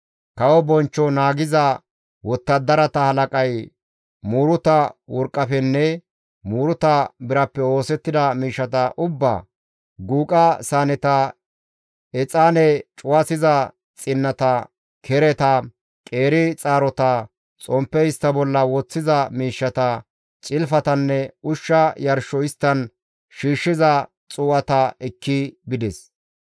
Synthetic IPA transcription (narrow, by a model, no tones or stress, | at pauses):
kɐwɔbɔnt͡ʃːɔnaːɡɪzɐ | wɔt̪ːɐd̪ɐɾɐt̪ɐhɐlɐkʼɐj | muːɾʊt̪ɐwɔɾkʼːɐfɛnːɛ | muːɾʊt̪ɐbɪɾɐpːɛo̞ːsɛt̪ːɪd̪ɐmiːʃːɐt̪ɐʔʊbːa̰ | ɡuːkʼɐsaːnɛt̪ɐ | ɛt͡sʼaːnɛt͡ʃʼʊwɐsɪzɐ | t͡sʼɪnːɐt̪ɐ | kʰɛɾɛt̪ɐ | kʼeːɾɪt͡sʼaːɾɔt̪ɐ | t͡sʼɔmpːɛɪst̪ːɐbɔlːɐwɔt͡sːɪzɐmiːʃːɐt̪ɐ | t͡ʃʼɪlfɐt̪ɐnːɛʊʃːɐjɐɾʃɔɪst̪ːɐn | ʃiːʃːɪzɐ | t͡sʼuːʔɐt̪ɐɛkːɪbɪd̪ɛs